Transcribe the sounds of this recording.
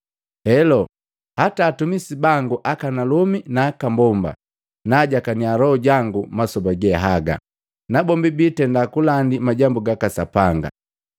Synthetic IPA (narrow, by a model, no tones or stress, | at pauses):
hɛlɔ | hataːtumisibaŋɡuʔakanalɔminaːkambɔmba̰ | naɟakanialɔɔɟaŋɡumasɔbaɡɛɦaɡa̰ | nabɔmbibiːtɛndakulandimaɟambuɡakasapaŋɡa̰